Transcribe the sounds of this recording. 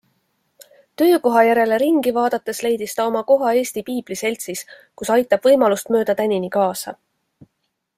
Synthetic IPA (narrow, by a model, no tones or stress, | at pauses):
t̪ø̞ːko̞ɦɑjæɾe̞le̞ɾiŋɡ̥ivɑːd̪̥ɑt̪ːˑe̞sle̞jd̪̥ist̪ɑo̞mɑko̞ɦɑe̞ːst̪ipiːb̥lise̞lʲt̪sis | kusɑjt̪ːˑɑb̥vɤjmɑlust̪mø̞ːd̪̥ɑt̪ænʲinikɑːsɑ̰